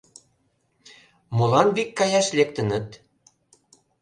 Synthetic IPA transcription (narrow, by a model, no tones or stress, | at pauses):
molɑnβikːɑjɑʃlekt̪ə̆nə̆t̪